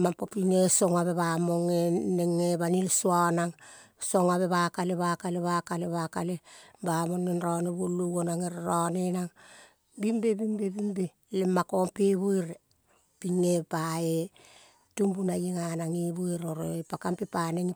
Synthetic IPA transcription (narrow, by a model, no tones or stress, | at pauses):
mapopiŋesoŋaβeβamoŋenːeŋeβanilsuanaŋso̞ŋaβe̞βakaleβakaleβakaleβakalebamonːenɾaneβuluɡonaŋeɾɾanenaŋ | bimbebimbebimbe | lemːakompeβujɾe | piŋepae | tumbunajeŋanaŋiβuiɾoɾopakampepaneŋi